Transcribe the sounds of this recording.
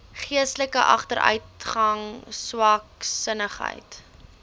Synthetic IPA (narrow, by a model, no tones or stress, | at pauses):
χiəstləkəʔɐ̰χtəɾʔœ̰ɥtχɐŋswɐksənəχɦə̰jt